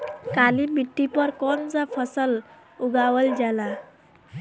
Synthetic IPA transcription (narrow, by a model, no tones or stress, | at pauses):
kalibiʈːipəɾkɔnd͡zafʰəsəl | uɡaʋəld͡ʑala